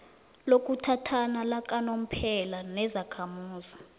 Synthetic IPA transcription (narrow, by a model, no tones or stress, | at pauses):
lok̬ʼutʰatʰanalak̬ʼanom̩pʰɛlanɛzakʰamuːzi